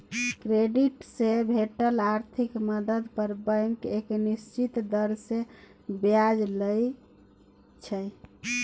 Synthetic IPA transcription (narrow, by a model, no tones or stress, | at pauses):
kɾeɖiʈsebʱeʈəlaɾt̪ʰikməd̪əd̪pəɾbəŋkeknist͡ʃit̪d̪əɾse | bjad͡ʒləj | t͡ʃʰə